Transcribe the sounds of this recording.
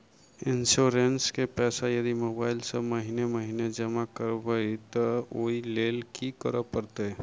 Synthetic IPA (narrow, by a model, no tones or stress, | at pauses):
ɪnsuɾenskepɛːsajɐd̪imoːbaːɪlseməɦineməɦined͡ʒəmakəɾbəit̪ɔoileːlkʰikəɾəpəɾt̪e